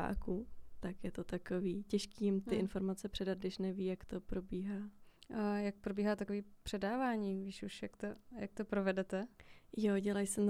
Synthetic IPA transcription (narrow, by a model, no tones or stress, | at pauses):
a̰ːkut̪akjɛt̪ot̪akoviːcɛʃkiːjɪmt̪ɪʔɪnfo̞ɾmat͡sɛpr̥ɛdat̪̚ɡdɪʃnɛviːjakt̪o̞pɾo̞biːɦaː | jak̚pɾo̞biːɦaːt̪akoviːpr̝̥ɛdaːvaːɲiːviːʃuʃjakt̪oja̰k̚t̪opɾovɛdɛt̪ɛjoɟɛlajsɛ